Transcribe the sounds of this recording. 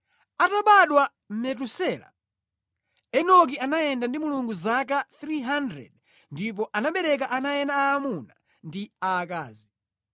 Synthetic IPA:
ataɓaɗwa | m̩mɛt̬usɛla̰ | ɛnɔk̬ianajɛndandimuluŋɡuzakaθɾiɦandɾɛ̰d | ndip̬ɔʔanaɓɛɾɛk̬aʔanajɛnaːmuna | ndiaːka̰ːzi

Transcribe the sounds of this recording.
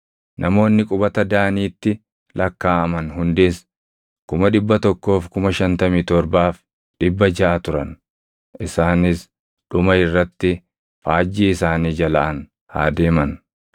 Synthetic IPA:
nʔɐmo̞ːnːɪkʼʊbɐt̪ɐd̪aːniːt̪ːɪ | lɐkːaːɐmɐnɦʊnd̪eːs | kʊmɐᶑɪbːɐt̪ɔkːo̞ːfkʊmɐʃɐnt̪ɐmiːt̪ɔɾbaːf | ᶑɪbːɐd͡ʒɐʔɐt̪ʊɾɐ̰n | ʔɪsaːnɪs | ᶑʊmɐɪrːɐt̪ːɪ | faːd͡ʒːiːɪsaːniːd͡ʒɐlɐʔɐn | ha̰ːd̪e̞ːmɐn

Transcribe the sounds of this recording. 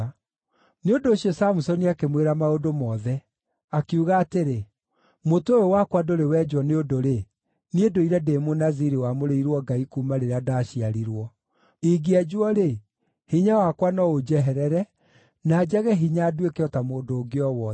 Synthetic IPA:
neondoːɕjɔsamusɔniakemweɾamaodomɔðɛ | akeuɣaːteɾe | motojowakwadoɾewɛd͡ʒwɔneodoɾe | niedoiɾɛdeːmonaziɾiwamoɾeiɾwɔɡaikuːmaɾeɾeadaːɕiaɾiɾwɔ | iɡiad͡ʑwɔɾe | hiɲawakwanɔod͡ʒɛɦɛɾɛɾɛ | naːd͡ʑaɣɛɦiɲaːdwekeɔtamoːdoːɡeɔwɔ

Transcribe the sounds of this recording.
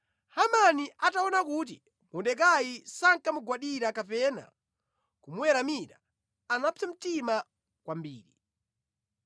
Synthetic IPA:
hamaniʔataɔnakut̬i | mɔndɛk̬ajisaŋkamuɡwaɗiɾakapɛna̰ | kumuwɛɾamiɾaː | napʰɛm̩tima | kwambḭːɾi

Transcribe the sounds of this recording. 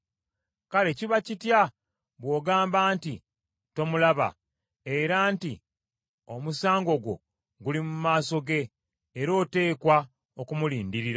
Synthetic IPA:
kale̞ciβacitja | βwo̞ːɡaːmbaːnti | to̞mulaβa̰ | e̞ɾaːnti | o̞musaːŋɡo̞ɡo̞̰ | ɡulimumaːso̞ɡe̞ː | ɾo̞ːte̞ːkwa | okumuliːndiɾiɾa

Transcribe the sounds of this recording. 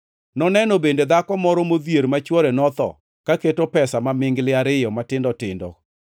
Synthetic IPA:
nɔnɛnɔbended̪akɔmɔɾɔmod̪jeɾmat͡ʃwɔɾɛnɔt̪ɔ̰ | kaketopɛsamamɪŋɡlɪaɾɪjɔmatɪndɔtɪ̰ndɔ̰

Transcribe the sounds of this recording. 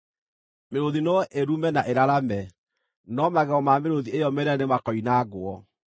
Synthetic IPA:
meɾoðinɔʔeɾumɛnaʔeɾaɾamɛ | nɔmaɣɛɔmameɾoðiejɔmeɾanemakɔinaːɣoɔ

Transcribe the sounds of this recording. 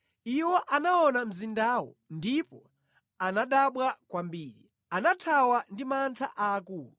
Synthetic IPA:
iwɔʔanaɔnam̩zindawɔ̰ndipɔ | anaɗaɓwakwambiːɾi | anatʰawandimantʰaʔaːkuːlu

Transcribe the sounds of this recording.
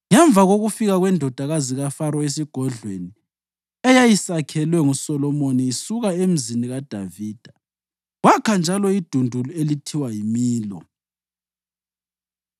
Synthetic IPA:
ŋɛɱbvʱaɣoɣufiɣaɣwɛndʱɔd̥ʱaɣaziɣafaɾɔesiɡ̥ʱɔɮwḛni | ɛjajisakʰɛlwɛŋusɔlɔmoniːsuɣaem̩ziniɣad̥ʱaviːd̥ʱa | wakʰand͡ʒʱalɔid̥ʱundʱuluelitʰiwajimiːlɔ̰

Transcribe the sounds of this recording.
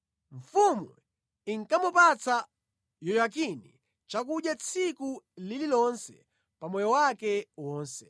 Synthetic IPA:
ɱfumu | iŋ̩kamupat͡sa | jɔjak̬inḭ | t͡ʃak̬uɗjat͡sʰikulililɔnsɛ | pamɔjɔwakɛwɔːnsɛ

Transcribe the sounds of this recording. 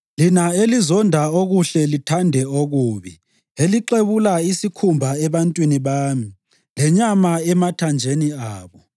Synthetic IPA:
linaelizɔndʱaoɣuɬɛlitʰandʱɛoɣuːβi | eliǃeβulaisikʰumbʱaɛβantʼwiniβaːmi | lɛɲamaɛmatʰand͡ʒʱeniaːβɔ

